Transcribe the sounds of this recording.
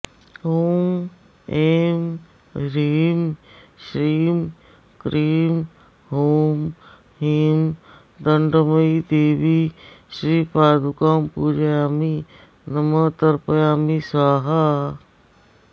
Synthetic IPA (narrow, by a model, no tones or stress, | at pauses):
ɦoːm | em | ɾiːmʃɾiːm | kɾiːm | ɦoːm | ɦiːm | d̪əɳɖmɐid̪eːʋiʃɾiːpaːd̪ukaːmpuːd͡ʒjaːmi | nɐmət̪ɐɾpɐjaːmisaːɦa